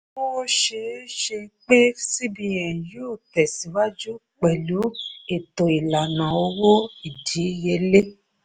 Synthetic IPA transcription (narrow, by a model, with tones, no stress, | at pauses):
o˦wo˦ʃe˧˦ʃe˧˦k͡pe˦si˦bĩ˧ɛ̃˨jo˦˨tɛ˨si˨˦wa˦d͡ʒu˦ | k͡pɛ˨lu˨˦e˨to˨i˨la˨nã˨o˧wo˦i˨di˨˦je˧˦le˦